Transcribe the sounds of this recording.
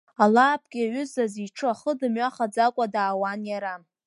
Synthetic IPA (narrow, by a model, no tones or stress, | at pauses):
alaːpʰʼkʲʼaɥʏzaziʈ͡ʂʰɨaχədɨmɥaχad͡zakʷʼadaːwanjaɾa